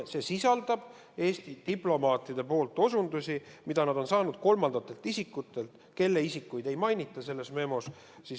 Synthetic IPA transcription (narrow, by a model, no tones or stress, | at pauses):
se̞sisɑld̪̥ɑb̥ | e̞ːst̪id̪̥iplo̞mɑːt̪ːˑid̪̥e̞po̞ːlt̪ːˑo̞sund̪usʲimid̪ɑnɑd̪̥o̞nsɑːnud̪̥̚ko̞lmɑnd̪ɑt̪ːˑe̞lt̪ˑisikːˑut̪ːˑe̞lt̪ | ke̞lːe̞isikːˑujd̪e̞jmɑjnʲit̪ːˑɑse̞lːe̞sme̞mo̞s | sis